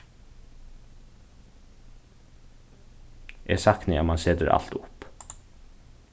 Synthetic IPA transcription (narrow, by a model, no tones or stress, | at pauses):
ʔeːsɑknɪɑ̰mɑnsed̪əɾɑ̰lt̪ʊp